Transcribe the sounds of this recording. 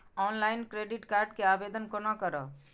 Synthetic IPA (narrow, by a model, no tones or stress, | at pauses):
ɔnlajnkɾeɖiʈkaɾɖkeabed̪ənkonɔkəɾɔ